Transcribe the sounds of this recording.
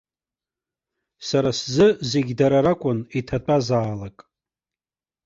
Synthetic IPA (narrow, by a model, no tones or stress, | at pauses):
saɾaszɨze̞ɡʲdaɾaɾakʷʼʊnitʰat͡pʷʼazaːlakʼ